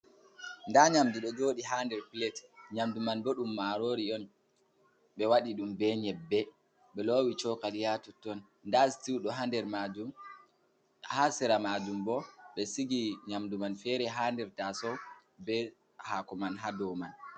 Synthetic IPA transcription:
ndaɲamdiɗɔd͡ʒoːɗiɦandɛɾpilɛtɲamdumanbɔɗumːaːɾoːɾiɔn | ɓɛwaɗiɗumbɛɲɛbːɛ | ɓɛlowit͡ʃɔkalijatutːɔn | ndastiwɗɔɦandɛɾmad͡ʒum | hasɛɾamad͡ʒumbɔɓɛsiɡiɲamdumanfɛːɾɛɦandɛɾtasɔbɛ | hakɔmanɦadɔman

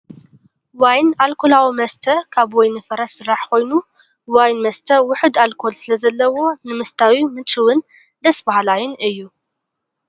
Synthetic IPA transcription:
wajnalkʰo̞lawimɐst̪ʰɐkʰaβwojnɨfɐɾɐsɨrːaħkʰo̞jnu | wajnmɐst̪ʰɐwʊħɨd̪alkʰo̞lsɨlɐzɐlːɐwo̞nɨmɐst̪ʰawimɨt͡ʃʼɨwɨn | d̪ɐsbahalajunɨjːu

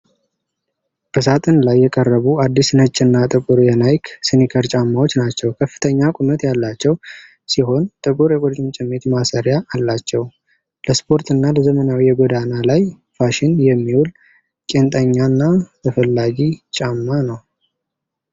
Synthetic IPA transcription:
b̥əsat̪ʼɨnlajːɛkʼərːəβuad̪ːisnət͡ʃʼːɪnːat̪ʼɨkʼuɾjɛnajkʰsɨnikʰəɾt͡ʃʼamːawo̞t͡ʃːnat͡ʃːɛwkʰəfːɨ̥t̪ʰəɲːakʼumət̪jalːat͡ʃːɛw | siɦo̞nt̪ʼɨkʼuɾjɛkʼɔt͡ʃʼɪmt͡ʃʼɪmːet̪masəɾjaːlːat͡ʃːɛw | ləspʰo̞ɾt̪ʰɨnːaləzəmənawijɛɡʷɔd̪analaj | faʃɪnjɛmːiwul | kʼe̞nt̪ʼəɲːanːat̪ʰəfəlːaɡit͡ʃʼamːanəw

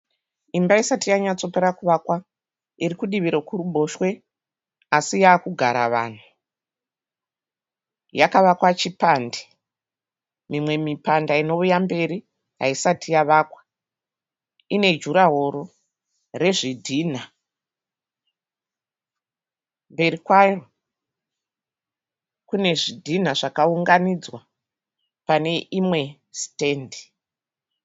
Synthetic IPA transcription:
imbaisatijaɲat͡so̞pe̞ɾakuʋakwa | irikuɗiʋiɾokuɾuɓo̞ʃwe̞ | asijaːkuɡʱaɾa̰ʋa̰ːn̤u | jakaʋakwat͡ʃipande | mimwe̞mipandaino̞ujambe̞ɾi | ɦa̰isatijaʋakwḁ | ine̞d͡ʒuɾaɦoɾo | re̞ʐidʱiːn̤a | mbe̞rikwaro | kune̞ʐidʱin̤aʐakauŋɡanid͡zwa | pane̞ʔimwe̞ | ste̞ːndi

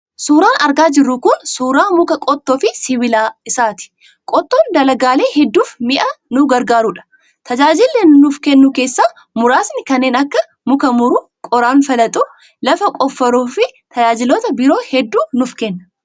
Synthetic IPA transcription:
suːɾaːnɐɾɡaːd͡ʒɪrːuːkʊnsuːɾaːmʊkɐkʼɔt̪ʼːoːfɪsɪwɪlaːɪsaːt̪ɪ̥ | kʼɔt̪ːoːnd̪ɐlɐɡaːle̞ːhɛd̪ːuːfmɪʔɐnʊɡɐɾɡaːɾuːᶑɐ̥ | t̪ɐd͡ʒaːd͡ʒɪlːɛnnʊfkɛnːʊke̞ːsːaː | mʊɾaːsnɪkɐnːe̞ːnɐkːɐ | mʊkɐmʊɾu | kʼɔɾaːnfɐlɐt̪ʼʊ | lɐfɐkʼɔfːɐɾoːfɪt̪ʰɐd͡ʒaːd͡ʒɪloːt̪ɐbɪɾo̞ːhɛd̪ːuːnʊfkɛnːɐ̥

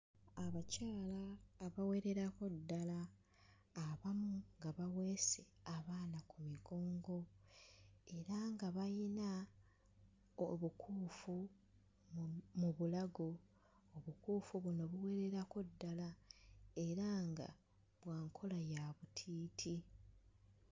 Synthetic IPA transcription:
aβacaːlaːβawe̞ɾe̞ɾako̞dːalaː | βamuŋɡaβaɣwe̞ːse | aβaːnakumiɡo̞ːŋɡo̞ | e̞ɾaŋɡaβajina | oβukʰuːfu | mmuβulaɡo̞ː | βukuːfuβuno̞βuwe̞ɾe̞ɾako̞dːala | e̞ɾaŋɡa̰ | βwaːŋkʰo̞lajaβutʰiːtʰi

